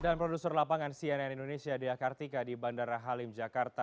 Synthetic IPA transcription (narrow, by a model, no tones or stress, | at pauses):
danpɾodusɛrlapaŋansiɛnɛnindonesiadiakart̪ikadibandaɾaɦalɪmd͡ʒakart̪a